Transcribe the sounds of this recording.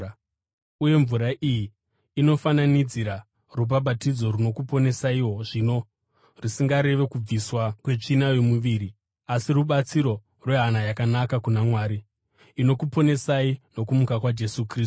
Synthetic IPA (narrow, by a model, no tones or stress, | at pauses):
uje̞ɱvuɾaʔijiː | no̞fananid͡ziɾa | rub̬abʱatid͡zo̞runo̞kupo̞ne̞saiwo̞ʐino̞ | risiŋɡaɾe̞ʋe̞kub͡viswakwe̞t͡ʂinajomuʋiːɾi | asiruɓat͡siɾo | rwe̞ɦanajakanakakunamwaːɾi | ino̞kupo̞ne̞saino̞kumukakwad͡ʒe̞sukriːsu̥